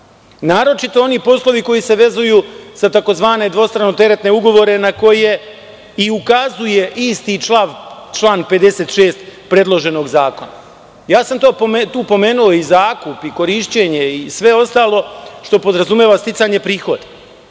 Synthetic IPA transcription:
naːɾo̞t͡ʃit̪o̞o̞nipo̞slˠo̞ʋiko̞jise̞ʋe̞zujuːsat̪ako̞zʋaːne̞d̪ʋo̞st̪ɾanot̪e̞ɾet̪ne̞uɡo̞ʋo̞ɾe̞nako̞je̞ | iukazuje̞ʔist̪it͡ʃaʋt͡ʃlˠaːnpe̞d̪e̞set̪ʃeːst̪pɾe̞d̪lˠo̞ʒe̞no̞ɡzaːko̞na̰ | jaːsamt̪o̞ːpt̪uːpo̞me̞ːnuo̞izaːkupiko̞ɾiʃt͡ɕe̞ɲe̞isʋe̞o̞st̪aːlˠo̞ʃt̪o̞po̞d̪ɾazumʲjeːʋast̪it̪saɲe̞pɾiːxo̞d̪e̥

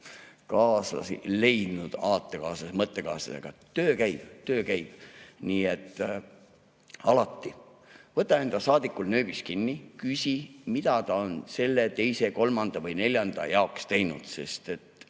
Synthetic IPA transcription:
kɑːslɑ̰sḭle̞jd̪̥nud̪̥ɑːt̪ːˑekɑːsɑsmɤt̪ːˑe̞kɑ̰ːsɑsḛɡ̥ɑt̪øːkæjb̥t̪ø̞ːkæjb̥niːet̪ːˑ | ɑlɑt̪ːi | vɤt̪ːˑɑe̞nd̪̥ɑsɑːd̪̥ikːˑulnø̞ːb̥iskinːikysʲimid̪̥ɑt̪ɑonse̞lːe̞t̪e̞jse̞ko̞lmɑnd̪̥ɑvɤjne̞lʲjɑnd̪̥ɑ̰jɑokst̪e̞jnud̪̥se̞st̪e̞t̪ːˑ

